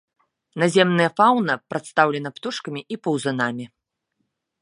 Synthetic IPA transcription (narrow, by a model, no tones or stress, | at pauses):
nazʲɛmnɨjɐfawnɐpɾat̪st̪awlʲɛnɐpt̪uʂkɐmʲiʔipɐwzɐnamʲi